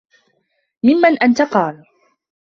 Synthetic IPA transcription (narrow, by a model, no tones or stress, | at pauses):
mɪmːanʔant̪aqɑːl